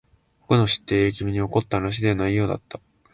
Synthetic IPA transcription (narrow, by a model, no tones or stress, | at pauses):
kokono̞ɕi̥t̪ːe̞ːɾik̬ʲimʲiɲ̟io̞ko̞t̪ːaɾaɕ̬id̪e̞βanaijo̞ːd̪a̰t̪ːa